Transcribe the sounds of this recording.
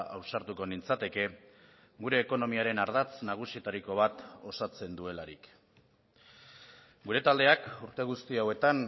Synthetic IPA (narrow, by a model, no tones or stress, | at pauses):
awsaɾt̪uko̞nint͡sat̪e̞ke̞ | ɡuɾe̞ːko̞no̞miaɾe̞naɾðat͡snaɣ̞usiet̪aɾiko̞β̞at̪o̞sat͡se̞nd̪ue̞laɾḭk | ɡuɾe̞t̪ald̪e̞akuɾt̪e̞ɣ̞ust̪iawe̞t̪an